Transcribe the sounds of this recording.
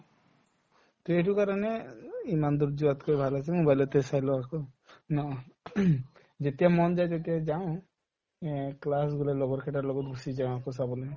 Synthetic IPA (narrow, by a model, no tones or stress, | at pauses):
t̪ɔeʈ̬ukaɾɔneimand̪uɾd͡ʒuat̪kɔibʱalasʰemũbajlɔt̪esajlɔako | nɔ | d͡ʒet̪ijamɔnd͡ʒajd͡ʒet̪ijad͡ʒaɔ̃ | klas̬ɡulalɔɡɔɾkʰeʈaɾlɔɡɔt̪bʱusid͡ʒãakɔs̬abɔle